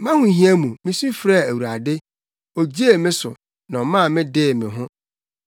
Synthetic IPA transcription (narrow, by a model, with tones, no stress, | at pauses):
mã˦hʊ̃˨ɦĩ˦æ˦mũ˨mɪ̃˦su˦fɾa˦˨æ˨wu˨ɾa˨dɪ˦ | o˨d͡ʑi˦e˦˨mɪ̃˦sʊ̰˨ | nã˨ɔ˨mã˦˨mɪ̃˦dɪ˦˨mɪ̃˨ɦʊ̃˦